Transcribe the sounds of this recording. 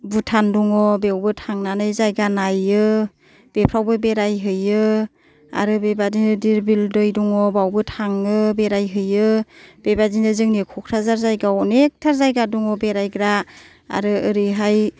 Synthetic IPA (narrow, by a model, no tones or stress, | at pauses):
bɯtʰanduŋɔbewbɯtʰaŋnanɯjzajɡanajɯ | b̥epʰɾawbɯbeɾajɦɯjɯ | a̰ɾɯbebadinɯdiɾbildɯjduŋɔbawbɯtʰaŋɯbeɾajɦɯjɯb̥ebadinɯzɯŋnikʰɔkʰɾazaɾzajɡawɔnek̚tʰaɾzajɡaduŋɔbeɾajɡɾa | a̰ɾɯɯɾiɦaj